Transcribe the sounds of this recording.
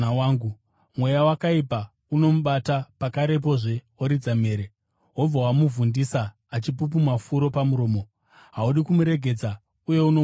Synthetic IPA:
waːŋɡu | mwe̞jawakaipa | uno̞muɓatapakaɾe̞p̬o̞ʐe̞ | oɾid͡zame̞ːɾe | ɦo̞b͡vawamuvundisaː | t͡ʃipup̬umafuɾo̞pamuɾo̞ːmo̞ | ɦauɗikumuɾe̞ɡʱe̞d͡za | uje̞uno

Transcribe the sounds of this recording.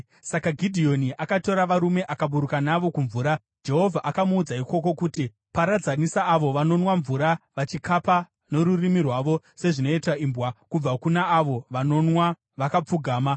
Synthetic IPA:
sakaɡʱidʱio̞niʔakato̞ɾaʋaɾume̞ʔakaɓuɾukanaʋo̞kuɱvuːɾa | d͡ʒe̞ɦo̞vʱaʔakamuːd͡zaiko̞ko̞kuti | paɾad͡zanisaːʋo̞ʋano̞nwaɱvuɾaʋat͡ʃikapa | no̞ɾurimirwaʋo̞ | se̞ʐino̞itwaimbwakub͡vakunaːʋo̞ʋano̞nwa | ʋakap͡fuɡʱaːma

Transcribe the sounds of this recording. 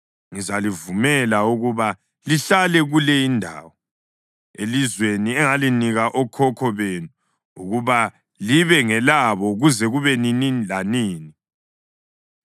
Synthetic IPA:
ŋizalivumɛlauɣuβa | liɬalɛɣulɛindʱa̰ːwɔ | elizweniɛŋaliniɣaʔɔkʰɔkʰɔβenu | uɣuβa | liβɛŋɛlaβɔɣuzɛɣuβɛninilaniːni

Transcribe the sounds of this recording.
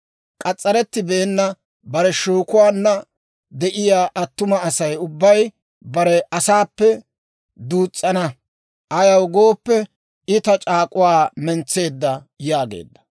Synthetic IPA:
kʼɐt͡sʼːɐɾɛt̪ːɪbeːnːɐ | bɐɾɛʃuːkʊwaːnːɐ | d̪ɛʔɪjaːʔɐt̪ːʊmɐːsɐjʊbːɐj | bɐɾɛʔɐsaːpːɛ | d̪uːt͡sʼːɐnɐ | ʔɐjɐwɡo̞ːpːɛ | ɪt̪ɐt͡ʃʼaːkʼʊwaːmɛnt͡sːe̞ːd̪ːɐ | jaːɡḛːd̪ːɐ̥

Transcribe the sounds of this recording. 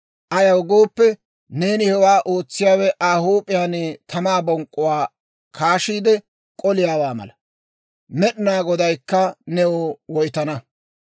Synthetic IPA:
ʔɐjɐwɡoːpːɛ | ne̞ːnɪhɛwaːʔo̞ːt͡sːɪjaːwɛʔaːhuːpʼːɪjaːnɛt̪ʰɐmaːbɔŋkʼːʊwaː | kʰaːʃiːd̪ɛ | kʼɔlɪjaːwaːmɐ̰lɐ | mɛɗɪnaːɡɔd̪ɐjkːɐnɛwɔwɔjt̪ɐnɐ

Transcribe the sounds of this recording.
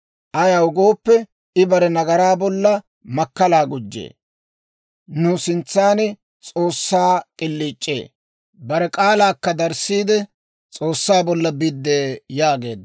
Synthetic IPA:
ʔɐjaʊɡoːpːɛ | ɪbɐɾɛnɐɡɐɾaːbɔlːɐ | mɐkːɐlaːɡʊd͡ʒːḛː | nʊsɪnt͡sːaːnɪ | t͡sʼo̞ːsːaːkʼɪlːiːt͡ʃʼːḛː | bɐɾɛkʼaːlaːkːɐd̪ɐɾsːiːd̪ɛ | t͡sʼo̞ːsːaːbɔlːɐbɪd̪ːeːjaːɡe̞̰ːd̪

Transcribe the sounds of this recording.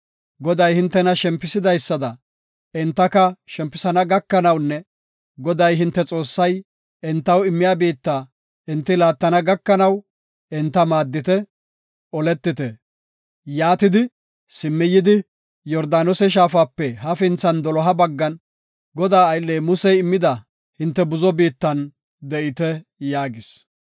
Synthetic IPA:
ɡɔd̪ɐjhɪnt̪ːɛnɐʃɛmpːɪsɪd̪ɐjsːɐd̪ɐ | ɪnt̪ːɐkɐʃɛmpːɪsɐnɐɡɐkːɐnɐwnːɛ | ɡɔd̪ɐjɦɪnt̪ːɛt͡sʼo̞ːsːɐj | ɪnt̪ːɐwɪmːɪjaːbiːt̪ːaː | ɪnt̪ːɪlaːt̪ːɐnɐɡɐkːɐnɐw | ɪnt̪ːɐmaːd̪ːɪt̪ɛ | ɔlɛt̪ːɪt̪ɛ | jaːt̪ɪd̪ɪ | sɪmːɪjːɪd̪ɪ | jɔɾd̪aːnɔsɛʃ̬aːfaːpːɛɦɐfɪnt͡sːɐnd̪ɔlɔɦɐbɐɡːɐn | ɡɔd̪aːɐjlːeːmʊsɛjɪmːɪd̪ɐ | hɪnt̪ːɛbʊzɔbiːt̪ːɐn | d̪ɛʔɪt̪ɛjaːɡɪs

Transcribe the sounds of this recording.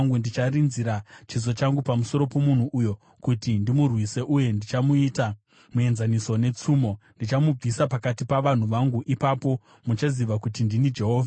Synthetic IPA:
ŋɡundit͡ʃarinziɾat͡ʃizo̞t͡ʃaŋɡupamuso̞ɾo̞po̞mun̤uʔːjo̞ | kutindimurwise̞ʔuje̞ndit͡ʃamuita | mue̞nzaniso̞ne̞t͡suːmo̞ndit͡ʃamub͡visapakatipaʋan̤uʋaŋɡuʔipapo̞ | mut͡ʃaziʋakutindinid͡ʒe̞ɦo̞ːvʱa

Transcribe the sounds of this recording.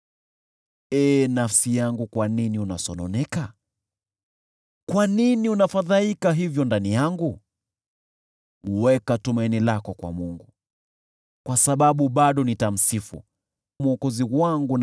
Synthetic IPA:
ɛːnafsijaŋɡukwaniniunasɔnɔnɛka | kwaniniunafaðaikaɦivjɔndanijaŋɡu | uwɛkatumainilakɔkwa̰muŋɡu | kwasaɓaɓuɓaɗɔnitam̩sifṵ | muɔkɔziwaŋɡun

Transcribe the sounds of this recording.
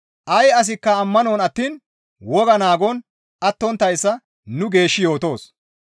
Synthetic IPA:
ʔɐjɐs̬ɪkːɐːmːɐnoːnɐt̪ːiːn | wɔɡɐnaːɡɔn | ɐt̪ːɔnt̪ːɐjsːɐ | nʊɡe̞ːʃːɪjo̞ːt̪o̞ːs

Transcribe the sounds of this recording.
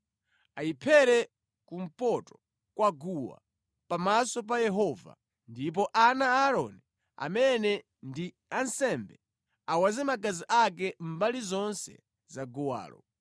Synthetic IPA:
aipʰɛɾɛ | kum̩pɔtɔ̥ | kwaɡuwa̰ | pamasɔp̬ajɛɦɔva̰ | ndip̬ɔʔanaaɾɔ̰ni | a̰mɛnɛ | ndi | ansɛmbɛ | awazɛmaɡaziʔak̬ɛm̩balizɔnsɛ̰ | zaɡɔwa̰ːlɔ̰

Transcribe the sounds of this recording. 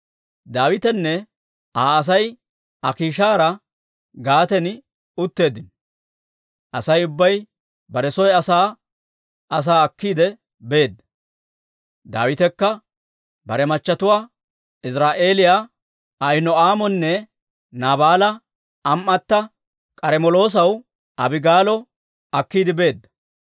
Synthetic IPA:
d̪aːwɪt̪ɛnːɛ | aːɐs̬ɐj | ɐkiːʃaːɾɐ | ɡaːt̪ɛn | ʊt̪ːe̞ːd̪ɪn | ʔɐsɐjʊbːɐj | bɐɾɛsɔjɐsaː | ɐs̬aːɐkːiːd̪ɛ | be̞ːd̪ɐ | d̪a̰ːwɪt̪ɛkːɐ | bɐɾɛmɐt͡ʃːɐt̪ʊwaː | ɪsɾaːʔe̞ːlɪja | ɐjnɔaːmɔnːɛ | naːbaːlɐ | ɐmːɐt̪ːɐ | kʼɐɾɛmɔlo̞ːs̬ɐw | ʔɐbɪɡaːlɔ | ɐkːiːd̪ɪbe̞ːd̪ːɐ̥

